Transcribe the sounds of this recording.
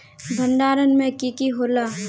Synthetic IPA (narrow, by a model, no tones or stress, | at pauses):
bʱənɖaːɾənmẽkikiɦoːlaː